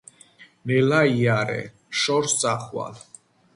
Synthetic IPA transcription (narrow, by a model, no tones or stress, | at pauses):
nɛlaiaɾɛ̰ | ʃɔɾst̪sʼaχwa̰l